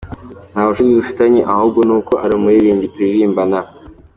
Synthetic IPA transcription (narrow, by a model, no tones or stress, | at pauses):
naːβaʃuzidufi̥taɲiʔahub̚ɡonuːko̞ʔaɾimuiɾiːɲɟituiɾiːmbana